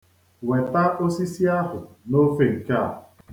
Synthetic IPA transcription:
we˨ta˦o˦si˦si˦a˦ɦʊ̰˨ | no˦fe˦ŋ̩˨ka̰˦˨

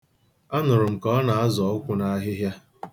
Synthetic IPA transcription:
a˦nʊ˨ɾʊ˨m̩˨kɔ˦na˨a˦zɔ˨˦ʊ˦kʷʊ˦na˦ɦɪ˦ɦja˦

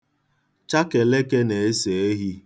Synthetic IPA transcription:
t͡ʃa˦ke˨le˦ke˦ne˨e˦se˨e˦ɦi˦

